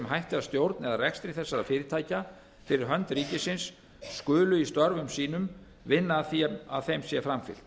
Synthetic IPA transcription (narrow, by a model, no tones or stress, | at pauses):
mɦajht̪ɪast̪jowɾt̪nɛðarɛkst̪ɾɪθɛsːaɾafɪːɾɪt̪ʰaːjca | fɪɾɪɾ̥ɦœnt̪ɾiːcɪsɪnsː | kʏːlʏist̪ɔɾvʏmsiːnʏm | vɪnːaːðθiaðθejmsjɛfɾamfɪ̰l̥t̪